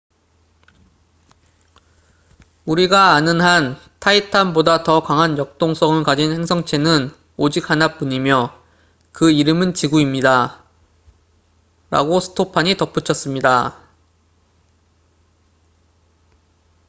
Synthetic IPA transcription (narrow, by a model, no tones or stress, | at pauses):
uɾiɡaːnɯnɦantʰaitʰanbodatʌkaŋɦanjʌk̚t͈oŋs͈ʰʌŋɯɭkad͡ʑinhe̞ŋsʰʌŋt͡ɕʰe̞nɯn | od͡ʑik̚hanap͈uɲimjʌ | kɯiɾɯmɯnt͡ɕiɡuimɲida | ɾa̰ɡosʰɯ̥tʰopʰaɲitʌp͈ʰut͡ɕʰʌs͈ɯmɲida